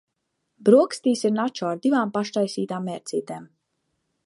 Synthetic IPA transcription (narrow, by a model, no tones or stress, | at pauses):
bɾuɔkst̪iːsiɾnat͡ʃɔːaɾd̪ivaːmpaʃt̪ajsiːt̪aːmːɛɾt̪sʲiːt̪eːm